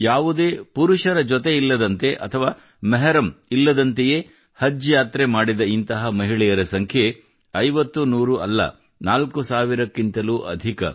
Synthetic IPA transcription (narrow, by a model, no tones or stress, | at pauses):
jaːʋud̪eːpuɾuʃɐɾɐd͡ʒɔt̪e̞ilːɐd̪ɐnt̪e̞ʔɐt̪ʰɐʋaː | mɛɦɐɾɐmilːɐd̪ɐnt̪ejeː | hɐd͡ʒjaːt̪ɾemaːɽid̪ɐint̪ɐɦɐmɐɦiɭɛjɐɾɐsɐŋkʰje | ɐjʋɐt̪ːunuːɾuʔɐ̰lːɐ̰ | naːlkusaːʋiɾɐkːint̪ɐluʔɐ̰d̪ʱikɐ̰